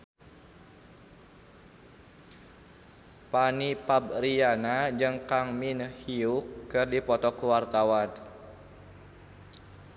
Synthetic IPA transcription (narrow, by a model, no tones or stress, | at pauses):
panipabrianad͡ʒɨŋkaŋminhiukːɨrdipɔt̪ɔkuwart̪awan